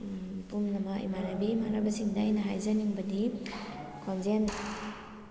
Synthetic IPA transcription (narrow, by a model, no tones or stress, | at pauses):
pumnɐmaḭmanabimaɾabɐsiŋdajnaɦajzaniŋbɐdi | kʰɔnzen